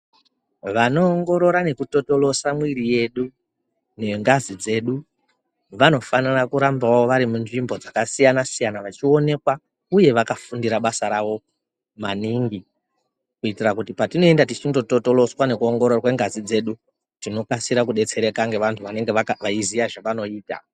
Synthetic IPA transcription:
ʋano̞ːŋɡo̞ɾo̞ɾane̞kuto̞to̞lo̞samwirije̞ɗu | ne̞ŋɡazid͡ze̞ɗu | ʋano̞fanirakuɾambawaoʋaɾimunʐimbo̞d͡zakasijanasijanaʋat͡ʃio̞ne̞kwa | uje̞ʋakafundiɾaɓasaɾaʋo̞ | maniŋɡi | kuitirakutipatino̞e̞ndatit͡ʃindo̞to̞to̞lo̞swane̞kuoŋɡo̞ɾorwe̞ŋɡazid͡ze̞ɗu | tino̞kasiɾakuɗe̞t͡se̞ɾe̞kaŋɡe̞ʋantʰuʋane̞ŋɡeaʋaizijaʐaʋano̞iːta̰

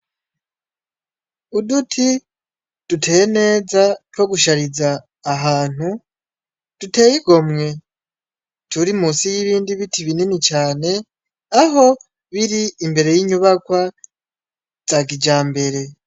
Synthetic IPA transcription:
udutʰi | d̥utʰejene̞ːzatwo̞ɡuʃaɾizaː | ɦaːn̥u | d̥ute̞ːjiɡo̞mŋe̞ | tʰuɾimuːsijiβiːndiβitiβininit͡ʃaːne̞ | aɦo̞ | βiɾiːmbe̞ɾe̞jiːɲuβakwa | z̥aɡid͡ʒaːmbe̞ɾe̞

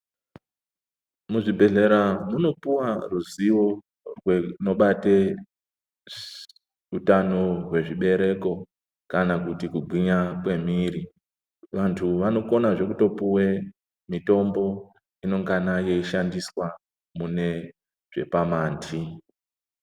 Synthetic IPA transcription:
muʐibʱe̞ɮe̞ɾanono̞puwaruziwo̞ | rweno̞ɓate | utano̞we̞ʐiɓe̞ɾe̞ko̞ | kanakutikuɡʱwiɲakwe̞miri | ʋantʰuʋano̞ko̞naʐe̞kuto̞puwe̞ | mito̞mbo̞ | ino̞ŋɡanaje̞iʃandiswa | mune̞ | ʐ̥e̞̰pamaːntʰi

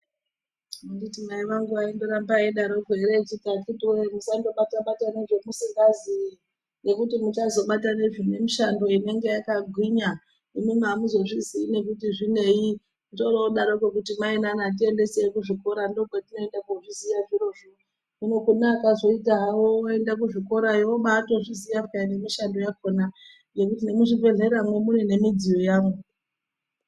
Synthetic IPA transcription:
munditimaiʋaŋɡuʋaindoɾambaeɗaɾo̞kwe̞ɾet͡ʃitakitwemusando̞ɓataɓataneʐe̞musiŋɡazi | ne̞kutimut͡ʃazo̞ɓataneʐine̞miʃando̞ine̞ŋɡe̞jakaɡʱwiɲa | imimamuzo̞ʐiziːne̞kutiʐine̞i | toroɗaɾokekutimainanat̬ie̞nde̞sekuʐiko̞ɾandoɡʱatino̞endakoʐizijaʐiro̞ʐi | uno̞kunakazo̞itaɦawooe̞ndakuʐiko̞ɾaiwoɓato̞ʐizijafkane̞miʃando̞jakona | je̞kutinemuʐive̞ɮe̞ɾamwemunine̞mid͡zijo̞jaːmu

